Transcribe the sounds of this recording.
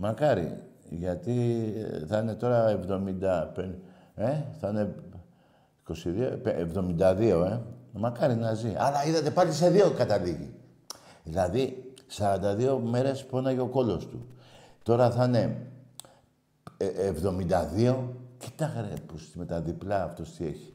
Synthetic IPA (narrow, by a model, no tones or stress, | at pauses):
mɐkɐɾḭʝɐt̪iθɐne̞t̪o̞ɾɐevðo̞mind̪ɐpen | e̞θɐne̞ | iko̞siðiopeevðo̞mind̪ɐðio̞e̞mɐkɐɾinɐziʔɐ̰lɐiðɐt̪e̞pɐlise̞ðiokɐt̪ɐliʝḭ | ðilɐðisɐɾɐnd̪ɐðio̞me̞ɾe̞sponɐʝeo̞ko̞lo̞st̪ut̪o̞ɾɐθɐne̞ | vðo̞mind̪ɐðio̞ci̥t̪ɐɣɾḛposme̞t̪ɐðiplɐːft̪ost̪ie̞çi̥